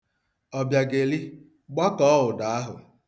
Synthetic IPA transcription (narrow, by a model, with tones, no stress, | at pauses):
ɔ˨bja˨ɡe˨li˦ | ɡ͡ba˦kɔ˦ʊ˨da˨a˦ɦʊ̰˨